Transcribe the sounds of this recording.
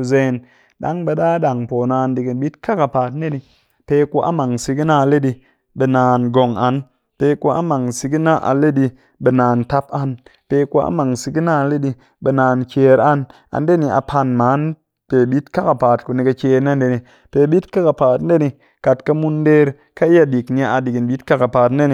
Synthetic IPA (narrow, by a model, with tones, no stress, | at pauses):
u˧ze˧˦n | ɗa̰˦ŋbe˧ɗaː˦ɗa˨ŋpoː˨naː˧ndi˨ki˨ɓi˦tka˦ka˨paː˨tn˦e˦ni˧ | pe˧˦ku˧ʔa̰˦ma˨ŋsi˧ki˦na˦a˧le˦di˧ | ɓe˧naː˨nɡo˨ŋa˨n | pe˧ku˦a̰˦ma˨ŋsi˧ki˦na˦ʔa̰˨le˦ɗi˧ | ɓe˨naː˨nta˦p̚a˦npe˧ku˧a̰˦ma˨ŋsi˧ɡi˦na˦a˧le˦di˧ | ɓe˧naː˨nt͡ʃeː˧ɾa˦n | a̰˨nde˦ni˧ʔa̰˨pʰa˧nmaː˨˦n | pe˨ɓi˦tka˦ka˨paː˨t̚ku˨ni˧ka˧t͡ʃeː˧ɾna˦nde˧ni˨ | pe˨ɓi˦tka˦ka˨paː˨tn˦e˦ni˧ | ka˨tka˧mu˧nde˦ɾ | ka˦i˦ja˧di˨kni˧a˨a˧di˨ɡi˨nbi˦tka˦ka˨paː˨tn˦e˦ni˧˨